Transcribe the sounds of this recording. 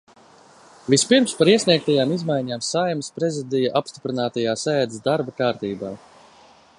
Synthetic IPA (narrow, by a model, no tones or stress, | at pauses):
vispiɾmspaɾiɛsniɛk̚t̪ajaːmizmajɲaːmsajmspɾɛzid̪ijaʔapst̪i̥pɾinaːt̪ajaːsɛːd̪sd̪aɾbakaːɾt̪iːbaː